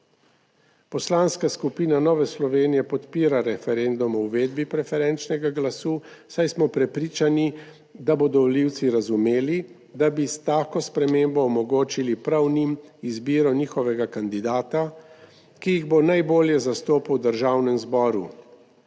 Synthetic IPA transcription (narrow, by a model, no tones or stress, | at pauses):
pɔslaːnskaskupiːnanɔːʋɛslɔʋeːnijɛpɔt̪piːɾaɾɛfɛɾend̪umɔwʋeːd̪bipɾɛfɛɾɛnt͡ʃnɛɡaɡlasuːsajsmɔpɾɛpɾiːt͡ʃani | d̪abod̪ɔliwt̪siɾazumeːli | d̪abist̪aːkɔspɾɛmeːmbɔːmɔɡoːt͡ʃilipɾawnimizbiːɾɔniːxɔʋɛɡakand̪id̪aːt̪a | kijiɣbonajboːljɛzast̪oːpawd̪əɾʒaːwnɛmzbɔːɾu